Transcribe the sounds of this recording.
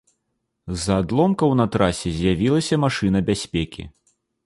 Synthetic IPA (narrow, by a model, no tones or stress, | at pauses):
zɐːd̪lˠɔmkɐwnɐt̪ɾasʲɛzʲjavʲilˠɐsʲɐmaʂɨn̪ɐbʲasʲpʲekʲḭ